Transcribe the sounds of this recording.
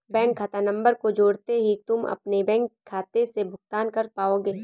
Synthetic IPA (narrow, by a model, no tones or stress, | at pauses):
bɛ̃ːŋkʰːaːt̪anɐ̃mbəɾkod͡ʒoːɽt̪eɦit̪ʊmɐ̰pnebɛ̃ːŋkʰːaːt̪esebʱʊkt̪aːnkɐɾpaːoːɡeː